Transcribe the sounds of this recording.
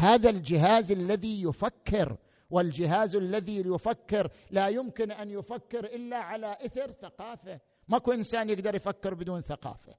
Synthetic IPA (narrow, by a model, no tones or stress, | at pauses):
haːðald͡ʒɪɦaːzalːaðijʊfakːɪɾ | wɪld͡ʒɪɦaːzalːaðijʊfakːɪɾ | lajʊmkɪnʔanjʊfakːɪɾʔɪlːaʕalaʔaθɪɾθaqɑːfa | makuʔɪnsaːnjɪɡd̪ɑɾˤjfakːɪɾbɪd̪uːnθaqɑ̰ːfa